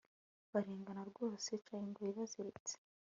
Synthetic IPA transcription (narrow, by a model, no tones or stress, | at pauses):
βaɾiːŋɡanaɾɡo̞ːset͡ʃaːjiŋɡoiβazeɾet͡se̥